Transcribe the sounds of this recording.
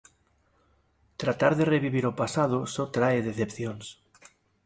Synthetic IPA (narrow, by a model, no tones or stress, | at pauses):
t̪ɾat̪aɾðereβ̞iβ̞iɾopasað̞osot̪ɾaeðeθepθjons